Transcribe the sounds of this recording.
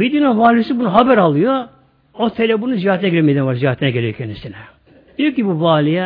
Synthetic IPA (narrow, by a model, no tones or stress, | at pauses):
bid̪inanvaːlʲisibunaɦabæɾalˠɯjo | ot̪ʰelʲebonuzijaːt̪inɛɟelʲimed̪imvaɾzijaːt̪inɛɟelʲijocʰenisinɛ | d̪̥ijoc̚ibuvaːlʲijɛ